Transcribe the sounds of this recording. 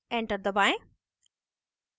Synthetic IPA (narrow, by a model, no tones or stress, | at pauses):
ɛ̃ɳʈəɾd̪əbaɪ̃